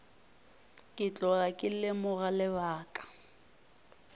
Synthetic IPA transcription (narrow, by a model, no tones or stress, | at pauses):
kʼɪt͡ɬʼɔɣakʼɪlɪmʊɣalɪβaːkʼḁ